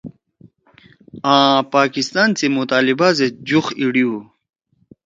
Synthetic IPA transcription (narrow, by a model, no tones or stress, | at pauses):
ãːpaːkist̪aːnt͡simut̪aːlibazed͡ʑuxiɽiu